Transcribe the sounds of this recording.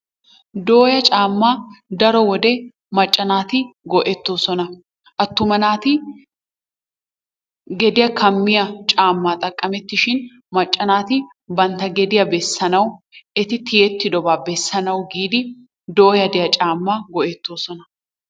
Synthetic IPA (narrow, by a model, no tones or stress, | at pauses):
d̪o̞ːjɐt͡ʃʼaːmːaːd̪ɐɾɔwɔd̪ɛ | mɐt͡ʃʼːɐnaːt̪ɪɡɔʔɛt̪ːo̞ːsɔnɐ | ʔɐt̪ːʊmɐnaːt̪ɪ | ɡɛd̪ɪjɐkʰɐmːɪjɐt͡ʃʼaːmːaːt̪ʼɐkʼːɐmɛt̪ːɪʃɪn | mɐt͡ʃʼːɐnaːt̪ɪ | bɐnt̪ɐɡɛd̪ɪjɐbɛsːɐnɐwʔɛt̪ɪt̪ɪjɛt̪ːɪd̪ɔbaːbɛsːɐnɐwɡiːd̪ɪ | d̪o̞ːjɐd̪ɪjɐt͡ʃʼaːmːaɡɔʔɛt̪ːo̞ːsɔnɐ